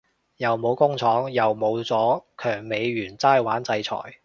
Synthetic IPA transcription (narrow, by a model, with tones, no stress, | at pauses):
jɐ˨wmo˨˧wkʊ˥ŋt͡sʰɔː˨˥ŋjɐ˨wmo˨˧wt͡sɔː˨˥kʰœː˨˩ŋme˨˧jɥyː˨˩nt͡saː˥jwaː˨˥nt͡sɐ˧jt͡sʰɔ̰ː˨˩j